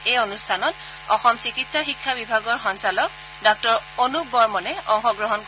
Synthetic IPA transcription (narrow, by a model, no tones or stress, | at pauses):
ejonustʰanɔt | ɔxɔmsikitsaxikʰːabibʱaɡɔɹxɔnsalɔk̚ | dɔk̚tɔɹonubɔɹmɔnɛɔŋxɔɡɹɔɦɔnk